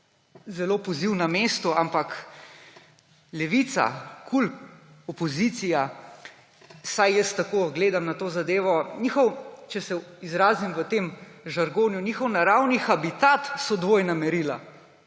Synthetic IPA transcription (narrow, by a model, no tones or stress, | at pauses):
zɛloːpɔziwnameːst̪ɔampak | lɛʋiːt̪sa̰kʰul | ɔpɔzit̪sija | sajjəst̪akoːɡleːd̪amnat̪oːzad̪eːʋɔniːxɔwt͡ʃɛsɛizɾaːzimʋət̪eːmʒaɾɡoːnjuniːxɔwnaɾawnixabit̪at̪sɔd̪ʋoːjnamɛɾila̰